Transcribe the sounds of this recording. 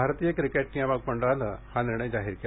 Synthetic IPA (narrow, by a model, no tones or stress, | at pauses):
aɾt̪ijəkɾikeʈ̚nijaʋak̚pəɳɖəɭãnəhaniɾɳəjd͡zaɦiːɾke